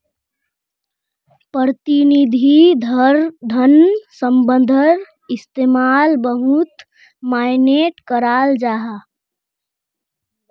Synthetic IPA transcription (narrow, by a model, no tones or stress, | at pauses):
pəɾət̪inid̪ʱid̪ʱɾd̪ʱənsəmbənd̪ʱəɾ | ist̪emalbəɦut̪ | majneʈkəɾald͡ʒaɦa